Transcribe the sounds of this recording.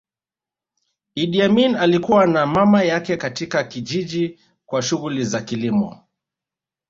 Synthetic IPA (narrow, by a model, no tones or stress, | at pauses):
iɗiaminalikuwanamamajakɛkatikakiʄiʄi | kwaʃuɣulizakilimɔ̰